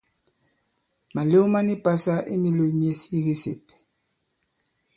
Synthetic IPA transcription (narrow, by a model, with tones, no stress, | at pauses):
ma˨le˦u˦ma˦ni˦pa˦sa˦ʔḭ˦mi˦lo˦mje˦si˦ɣi˦sḛ˨p